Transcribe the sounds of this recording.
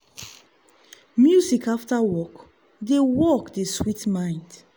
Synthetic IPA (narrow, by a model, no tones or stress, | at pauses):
mjuzikaftawɔk | dewɔkdeswitmãɪ̃nd